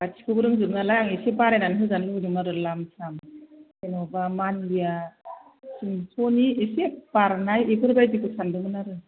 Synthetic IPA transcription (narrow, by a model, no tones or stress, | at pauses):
atʰi̥kʰɯbɯɾɯŋzɯtnalajaŋesep̚baɾajnanɦɯzanlɯŋdɯŋnaɾɯlamsʰam | enɔbamanlija | sɯŋpʰɔniesep̚baɾnajekɯɾbajdikʰɯsʰandɯmɯnaɾɯ